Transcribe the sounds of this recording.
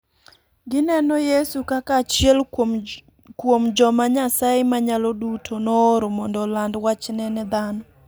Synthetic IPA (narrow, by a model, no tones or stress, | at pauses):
ɡɪnɛnojesukakat͡ʃjɛl | kwomd͡ʒɔmaɲasajemaɲalodutʰonɔːɾomɔndɔlandwat͡ʃnɛnɛd̪anɔ